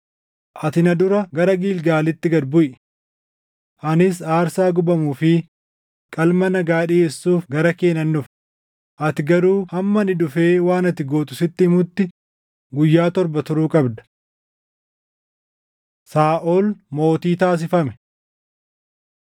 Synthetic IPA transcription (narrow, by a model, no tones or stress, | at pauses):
ʔɐt̪ɪnɐd̪ʊɾɐɡɐɾɐɡiːlɡaːlɪt̪ːɪɡɐd̪bʊʔɛ̥ | ʔɐnɪs̬aːɾsaːɡʊbɐmuːfɪ | kʼɐlmɐnɐɡaːᶑieːsːuːfɡɐɾɐke̞ːnɐnːʊf | ʔɐt̪ɪɡɐɾuːhɐmːɐnɪd̪ʊfe̞ːwaːnɐt̪ɪɡoːt̪ʼʊsɪt̪ːɪhɪmʊt̪ːɪ | ɡʊjːaːt̪ɔɾbɐt̪ʊɾuːkʼɐbd̪ɐ̥ | saːʔolmo̞ːt̪iːt̪aːs̬ɪfɐmɛ